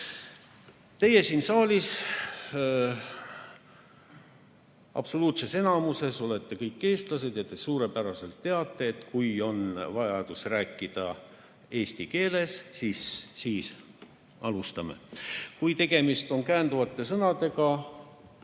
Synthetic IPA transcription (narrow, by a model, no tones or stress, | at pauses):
t̪e̞je̞siːnsɑːlʲis | ɑ̰pso̞luːt̪se̞se̞nɑmuse̞so̞le̞t̪ːe̞kɤjkːe̞ːst̪lɑse̞d̪̥jɑt̪esuːɾe̞pæɾɑse̞lt̪ːe̞ɑt̪ːˑe̞ːt̪ːkujo̞nvɑjɑd̪̥usræːkːˑid̪̥ɑ | e̞ːst̪ike̞ːle̞sːiːsːiːs | ɑlust̪ɑmḛkujt̪e̞ɡ̥e̞mist̪o̞nkæːnd̪uvɑt̪ːˑe̞sɤnɑd̪e̞ɡɑ